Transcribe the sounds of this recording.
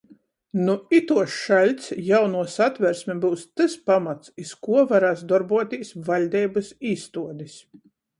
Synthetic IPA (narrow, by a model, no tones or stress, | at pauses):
nuit̪uɔsʃalʲt̪sjawnuɔsat̪vʲɛɾsʲmʲɛbɨwst̪ɨspamat̪siskuɔvaɾaːsd̪ɔɾbuɔt̪ʲiːsʲvalʲd̪ʲɛjbɨsiːst̪uɔd̪is